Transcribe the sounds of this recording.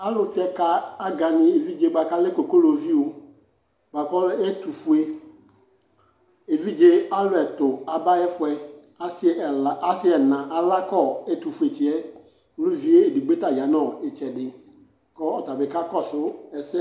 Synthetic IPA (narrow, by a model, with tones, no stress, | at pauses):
a˦lʊ˨tɛ˦ka˨a˦ɡa˨nɪ˨e˨vi˦d͡ʒe˦ɡ͡ba˨ka˦lɪ˦ko˨ko˦lo˨vi˦o˨ | ɡ͡ba˨kɔ˦lɛ˦tu˨fu˨e˦ | e˨vi˦d͡ʒe˦a˦lʊ˨ɛ˨tʊ˨a˨ba˦ɛ˦fʊ˨ɛ˨ | a˦sa˦sɪ˦ɛ˨nã˨ʔa˨la˦kɔ˦˨ɛ˦tu˨fu˨e˨t͡ʃɪ˨ɛ˦ | ko˦lo˦vi˨˦e˦e˨di˨ɡ͡be˦ta˨ja˨˦nɔ˨ɪ˨t͡ʃɛ˨dɪ˨ | kɔ˦ɔ˨ta˨bɪ˨ka˦kɔ˦˨sʊ˦ɛ˨sɛ˦